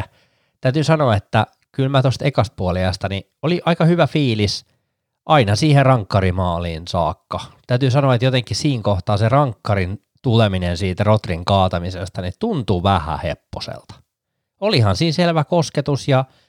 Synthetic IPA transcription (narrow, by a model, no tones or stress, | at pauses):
t̪æyt̪ysɑnoɑet̪ːæ | kylmæt̪ost̪ekɑst̪̚puɑliɑst̪ɑni | oliʔɑikɑhyʋæfiːlis | ʔɑinɑsiːherɑŋkːɑrimɑːliːnsɑːkːɑt̪æyt̪ysɑnoɑet̪jot̪eŋkːˑissiːŋkoht̪ɑːserɑŋkːɑrin | t̪uleminensiːt̪ærot̪riŋkɑːt̪ɑmisest̪ɑnit̪unt̪uʋæhæ̰hḛpːosḛlt̪ɑ̥ | olihɑnsiːnselʋækosket̪usjɑ